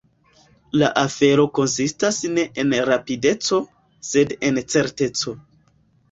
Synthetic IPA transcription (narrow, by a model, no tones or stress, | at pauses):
laʔafe̞ɾo̞ko̞nsistasne̞ʔenɾapide̞t͡so̞ | se̞dent͡se̞ɾte̞t͡so̞